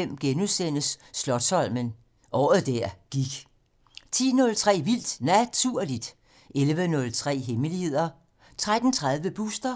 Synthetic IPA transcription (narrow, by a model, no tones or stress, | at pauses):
em̰ɡ̥enusen̰əsːlɒ̽d̥sɒ̽l̰mən | ʔɒːð̩ˠd̥æɐ̰ɡ̥iɡ̥ | t͡sʰḭːnɔ̽lt͡sʰʁɛ̰ːʋil̰d̥næt͡sʰuɐ̰lid̥ | ʔelʋənɔ̽lt͡sʰʁɛ̰ːɦeməlihe̝ð̰ˠɐ | t͡sʰʁad̥n̩t͡sʰʁað̞ˠʋəb̥usd̥ɐ